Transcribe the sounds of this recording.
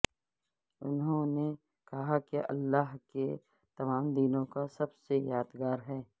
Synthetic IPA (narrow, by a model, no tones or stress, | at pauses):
ʊnɦõne | kɐɦakeʔɐ̰lːaːɦke | t̪ɐmaːmd̪iːnõkasɐbsejaːd̪ɡaːɾɦɛː